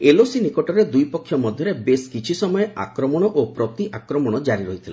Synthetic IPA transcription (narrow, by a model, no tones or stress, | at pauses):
elosinikɔʈɔɾed̪ujpɔkʰːjɔmɔd̪ʱjɔɾebeskit͡ʃʰisɔmɔjea̰kɾɔmɔɽ̃ɔʔopɾɔt̪iʔakɾɔmɔɽ̃ɔd͡ʒaɾiɾɔɦit̪ʰilḛ